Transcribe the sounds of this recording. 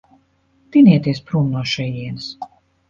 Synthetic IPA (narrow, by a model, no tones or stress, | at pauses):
t̪inʲiɛt̪iɛspɾuːnnuɔʃɛjiɛnɨs